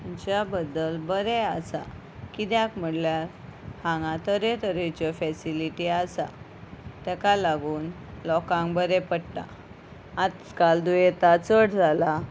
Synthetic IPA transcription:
mut͡ɕjabəd̪ːəlbəɾɛasa̰ | kid̪jakm̤əɽljaɾ | hãŋɡãt̪əɾet̪əɾet͡ɕɔfɛsiliʈiasa̰ | t̪ɛkalaɡuːn | lɔkãŋkbəɾepəɽʈa̰ː | t̪ | kald̪ujet̪at͡səɽd͡zʱala

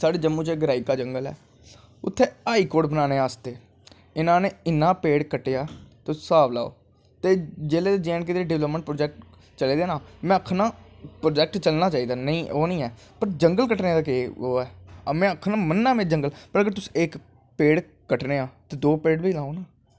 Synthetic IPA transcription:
saːɽeːd͡ʒəmːũːt͡ʃːɡəɾaːiːkaːd͡ʒəŋɡəlɛ̰ː | ʊt̪ʰːeːaːikoːɖbənaːneːaːst̪eː | ɪnãːneːɪnːãːpeːɽkəʈːejaːt̪esaːʋla̰ːo̰ː | t̪eːd͡ʒeːleːt̪eːd͡ʒẽːnkɪt̪ːeɖɪʋləpmə̃ɳʈ̚pɾoːd͡ʒɛːk̚ʈ | t͡ʃəleːd̪eːnãːmɛ̃ːəkʰːnãːpɾoːd͡ʒɛːk̚ʈt͡ʃəlnaːt͡ʃaːiːd̪aːnəĩːoːnəĩːɛː | pəɾd͡ʒəŋɡəlkəʈneːd̪aːkeːoːɛːmɛ̃ːəkʰnãːmənːaːmɛ̃ːd͡ʒəŋɡəlpəɾəɡəɾt̪ʊsi̥ek | peːɽ | kəʈneːaːt̪eːd̪oːpeːɽbiːlaːoːnaː

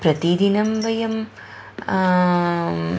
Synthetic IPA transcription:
pɾɐt̪id̪inɐmʋɐjɐm

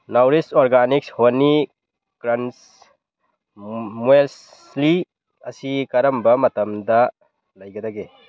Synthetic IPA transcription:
nawɾisoɾɡanik̚shoni | kɾɐns | mels | li | ɐsikɐɾɐmbɐmɐtɐmdɐ | lɐjɡɐdaɡe

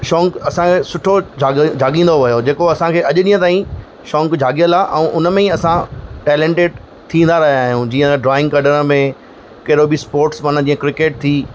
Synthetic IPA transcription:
ʃɔːŋkɐsãkʰeːsʊʈʰod͡ʑʱaːd͡ʑʱaːɡĩːn̆d̪oʋɐjod͡ʑeːkoɐsãkʰeːʔɐʄʊɗiːə̃t̪aːĩ | ʃɔ̃ːŋkd͡ʑʱaːɠijəlaʔɛ̰̃ʔʊnəmẽĩɐsãʈɛːlẽɳʈeːɖ | t̪ʰĩːn̆d̪aɾɐɦjaːɦjũd͡ʑĩːə̃ɖɾaːɪ̃ŋɡkɐɖəɾəmẽ | kɐɦɪɾobispoːɾʈsmaːnãd͡ʑiːə̃kɾɪkeːʈ̚t̪ʰiː

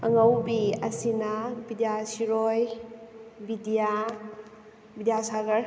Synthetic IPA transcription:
ɐŋawbiɐsinabidijasiɾoj | bidija | bidijasaɡɐɾ

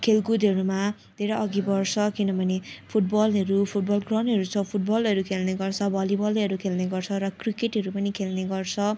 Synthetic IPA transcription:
kʰelkud̪ʱʌɾuma | d̪ʱeɾʌʌɡibʌrsʰʌkinʌbʱʌnepʰuʈ̚bʌlɦʌɾupʰuʈ̚bʌlkrʌnɦʌɾut͡sʰʌ̃pʰuʈ̚bʌlʌɾukʰelneɡʌrt͡sʰʌbʱʌlibʌliʌɾukʰelneɡʌrt͡sʰʌɾʌkrikeʈɦʌɾupʌnikʰelneɡʌrt͡sʰʌ

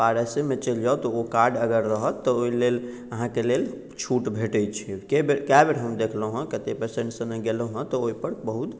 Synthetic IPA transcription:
paɾesemet͡ʃəld͡ʒaot̪ɔokaɾɖəɡəɾːəɦət̪ːɔoilel | əɦãkelel | t͡ʃʰuʈbʱeʈət͡ʃʰikebekabeɾɦəmd̪ekʰləɦə̃kət̪epəɾsẽɳʈsə̃neɡelə̃ɦə̃t̪ɔoipəɾbəɦut̪

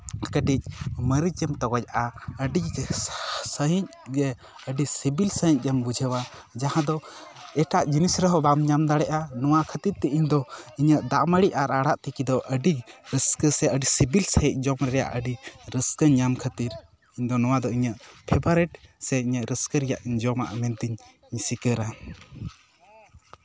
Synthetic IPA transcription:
kəʈic̚məɾid͡ʒəmt̪ɔɡɔc̚aʔaəɖi | səɦiɲ̚ɡɛ | əɖisibilsəɦiɲ̚ˀd͡ʒəmbud͡ʒʱəwad͡ʒahãd̪ɔ | ɛʈaʔd͡ʒinisɾəɦɔbamɲamd̪aɽɛʔanɔwakʰət̪iɾt̪ɛʔiɲd̪ɔiɲəʔd̪aʔməɽiʔaɾaɽaʔt̪ɛkid̪ɔʔəɖiɾəskəsɛəɖisibilsəɦic̚ˀd͡ʒɔmɾɛɾɛja̰ʔəɖiɾəskəɲamkʰət̪iɾ | iɲd̪ɔnɔwad̪ɔiɲəʔpʰɛbaɾɛʈsɛiɲəʔɾəskəɾɛjaʔiɲd͡ʒɔma̰ʔa̰mɛnt̪iɲ | ɲisikəɾa

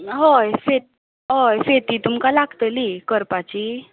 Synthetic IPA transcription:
ɦojfe | ɦojfet̪it̪umkalaɡt̪əliːkəɾpat͡ɕiː

